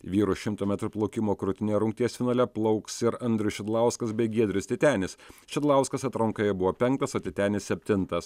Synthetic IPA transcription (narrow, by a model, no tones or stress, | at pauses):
ʋʲiːɾʊʃʲɪmt̪oːmʲæt̪ɾʊplˠɐʊkʲɪmoːkɾʊt̪ʲɪnʲeːɾʊŋk̚t̪ʲiɛsʲfʲɪnɐːlʲɛplˠɐʊksɪɾɐnʲd̪ʲɾʲɪsʃʲɪd̪lˠɐˑʊskɐsbʲɛɪɡʲiɛd̪ʲɾʲɪst̪ʲɪt̪ʲæːnʲɪsʃʲɪd̪lˠɐˑʊskɐsɐt̪ɾɐŋkɐjɛbʊʋoːpʲɛŋk̚t̪ɐsoːt̪ʲɪt̪ʲæːnʲɪsʲsʲɛpʲt̪ʲɪnt̪ɐs